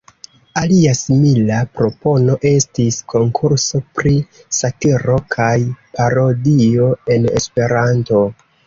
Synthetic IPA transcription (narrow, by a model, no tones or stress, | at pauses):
aliasimilapɾo̞po̞no̞ʔe̞stiskʰo̞ŋkʰuɾso̞pɾi | sakiɾo̞kʰajpaɾo̞dio̞e̞ne̞̰spe̞ɾanto̞